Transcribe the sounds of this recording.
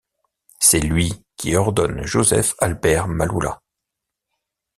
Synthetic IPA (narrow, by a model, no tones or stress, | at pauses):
sɛlɥikʲiɔʁd̪ɔnʒozɛfalbɛʁmalula̰